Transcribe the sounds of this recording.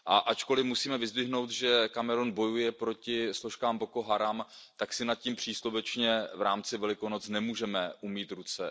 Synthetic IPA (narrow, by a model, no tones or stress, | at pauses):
ʔaʔat͡ʃko̞lɪmusiːmɛvɪzd̪vɪɦno̞wt̪ʒɛkamɛɾonbo̞jujɛpɾo̞cɪslo̞ʃkaːmbo̞koɦaɾamt̪aksɪnat̪̚cimpr̝̥iːslovɛt͡ʃɲɛvɾaːmt͡sɪvɛlɪkono̞t͡snɛmuːʒɛmɛʔumiːt̪ɾut͡sɛ